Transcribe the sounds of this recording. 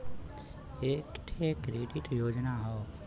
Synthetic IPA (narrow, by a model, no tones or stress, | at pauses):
eːkʈ̪ʰekɾeːɖɪʈjoːd͡ʒnaɦoː